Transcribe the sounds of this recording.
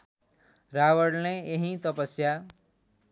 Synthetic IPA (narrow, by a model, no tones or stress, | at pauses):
ɾawʌɽneeɦĩt̪ʌpʌsja